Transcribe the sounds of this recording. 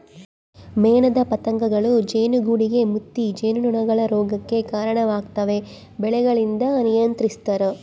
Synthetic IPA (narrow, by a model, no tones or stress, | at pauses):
mɛːɳɐd̪ɐpɐt̪ɐŋɡɐɡɐɭud͡ʒeːnuɡuːɽiɡe̞mut̪ːid͡ʒeːnunuɳɐɡɐɭɐɾɔːɡɐkːe̞kaːɾɐɳɐʋaːɡt̪ɐʋe̞ | bɛɭɛɡɐɭind̪ɐnijɐnt̪ɾist̪ɐɾu